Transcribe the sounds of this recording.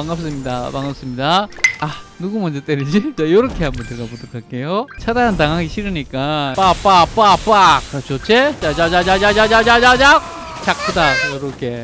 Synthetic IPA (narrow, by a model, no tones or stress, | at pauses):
aŋap̚s͈ɯmɲidapaŋap̚s͈ɯmɲidaanuɡumʌnd͡ʑet͈eɾid͡ʑit͡ɕajʌɾʌkʰe̞ɦambʌnt͡ɕeɡapotʰokʰak͈e̞jot͡ɕʰadanɯntaŋɦaɡiɕʰiɾɯɲik͈apap͈ap͈ap͈akt͡ɕot͡ɕʰet͡ɕad͡ʑad͡ʑad͡ʑad͡ʑad͡ʑad͡ʑad͡ʑad͡ʑad͡ʑak̚ | t͡ɕak̚p͈ʰɯdajoɾʌkʰe̞